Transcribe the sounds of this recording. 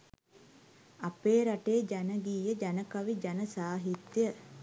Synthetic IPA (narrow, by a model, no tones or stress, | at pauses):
apeːɾaʈeːd͡ʒanəɡiːjəd͡ʒanəkaʋid͡ʒanəsaːɦit̪jə